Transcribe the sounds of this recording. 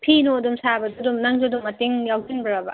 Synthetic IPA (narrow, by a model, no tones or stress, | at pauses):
pʰinodumsabɐd͡ʒudumnɐŋd͡ʒodumɐteŋjawzinbɐɾabɐ